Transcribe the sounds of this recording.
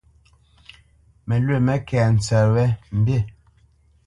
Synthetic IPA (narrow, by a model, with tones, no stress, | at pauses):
mɛ˨lwe˦˨mɛ˦kɛː˨n̩˨t͡sɛ˨wɛ˦m̩˨be˦˨